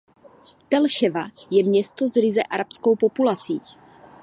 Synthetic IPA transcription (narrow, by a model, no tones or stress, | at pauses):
t̪ɛlʃɛvajɛmɲɛst̪o̞zɾɪzɛʔaɾapsko̞wpo̞pulat͡siː